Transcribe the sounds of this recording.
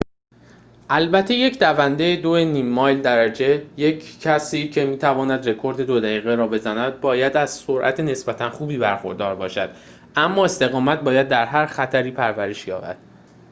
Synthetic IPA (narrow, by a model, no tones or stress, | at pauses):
ʔælbæt̪ʰːe̞je̞cʰd̪ævænd̪ejed̪oeniːmːɒːjld̪æɾæd͡ʒe̞jecʰcʰːæsiːcʰe̞miːt̪ʰævɒːnæd̪re̞kʰo̞ɾd̪e̞d̪od̪æiːɣeɾɒːbe̞zænæd̪̚bɒːjæd̪æz̥so̞ɾʔæ̰t̪ʰene̞sbæt̪ʰænxuːbiːbæɾxo̞̰ɾd̪ɒːɾbɒːʃæd̪̥ | æmːɒːe̞st̪e̞ɣɒːmæt̪̚bɒːjæd̪ːæɾɦæɾxæt̪ʰæɾiːpʰæɾvæɾeʃjɒ̰ːbæ̰d̪̥